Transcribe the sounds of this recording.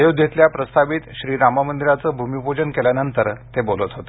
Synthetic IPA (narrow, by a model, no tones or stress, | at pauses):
jod̪ʱjʱet̪ljapɾəst̪ʰaʋiːt̪ɕɾiːɾaməmənd̪iɾat͡səːbʱumiupod͡ʑənkeljanənt̪əɾt̪ebolət̪ɦot̪e